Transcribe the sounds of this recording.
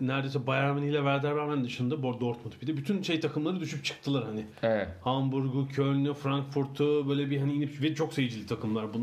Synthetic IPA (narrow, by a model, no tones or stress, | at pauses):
næɾd̪ejsɛbajaɾmenijlʲɛvæɾd̪æɾbæɾmænd̪ɯʃɯnd̪aboɾd̪oɾt̪mut̪ʰy̥pid̪ɛbyt̪ʰynʃe̞jt̪ʰakɯmlˠaɾɯd̪yʃyp̚t͡ʃʰɯ̥k̚t̪ʰɯlˠɯɾhanɪɛhambuɾɡucʰølʲnyfɾaŋkfuɾt̪ʰubøjlʲɛbiɦaniinipvɛt͡ʃʰo̞ksejid͡ʒilʲit̪ʰakʰɯmlˠaɾbun